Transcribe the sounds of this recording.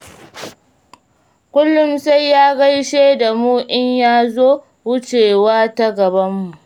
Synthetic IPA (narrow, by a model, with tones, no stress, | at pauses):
kʷʊ˦lːʊ˦msa˦jːaː˦ɡa˦jʃeː˦da˨muː˦ʔɪ˦ɲjaː˦zoː˦ | wʊ˦t͡ʃeː˨waː˦ta˦ɡɐ˨bɐ˦mːu˨ʔʔ